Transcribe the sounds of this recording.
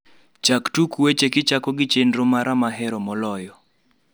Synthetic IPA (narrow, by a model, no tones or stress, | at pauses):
t͡ʃaktukwet͡ʃekɪt͡ʃakɔɡɪt͡ʃendɾomaɾʔamaɦɛɾɔmɔlɔjɔ